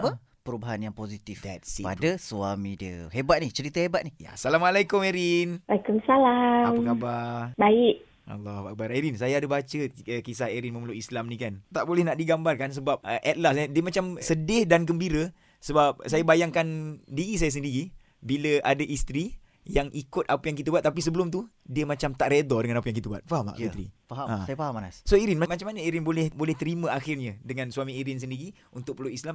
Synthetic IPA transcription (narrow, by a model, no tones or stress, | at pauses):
bə | pəɾubaɦanjaŋpozit̪ifdɛt̪̚sipa̰dəsuamidə̰hebat̪̚nit͡ʃəɾit̪əhebat̪̚nija̰salamalajkʊmeɾinalajkumsalaməkababaiʔ | ʔa̰lːɔhua̰k̚baɾaɾinsajaːdabat͡ʃəəkisaheɾinməməluʔislamnikant̪aʔbolɛhnaʔdiɡambarkans̬əbap̚əʔɛt̪̚lasdimat͡ʃamsədɪhdanɡəmbiɾə | səbap̚sajabajaŋkandiɾisajas̬əndiɾi | biləʔadaʔist̪ɾi | jaŋʔikʊt̪̚ʔapəjaŋk̬it̪̬əbuat̪ːap̬isəbəlʊmt̪udiəmat͡ʃamt̪aʔɾedɔdəŋãnapəjaŋkit̪əbua̰t̪̚faɦama̰ʔit̪ɾḭfaɦaaafaɦamana̰ssoiɾɪnmamat͡ʃamːanəeɾɪnbolɛhbolɛht̪əɾimə̃axɪrɲədəŋãnsuamieɾɪns̬əndiɾi | unt̪ʊk̚pəlʊʔislam